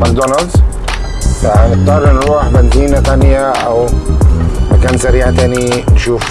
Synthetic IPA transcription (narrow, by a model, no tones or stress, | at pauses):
mak̚d̪onɑld̪ | taʕnɪɡ̚t̪ˤɑːɾˤnɾuːħbant̪iːnat̪anjaʔaw | makaːnsaɾiːʕat̪aːninʃuːf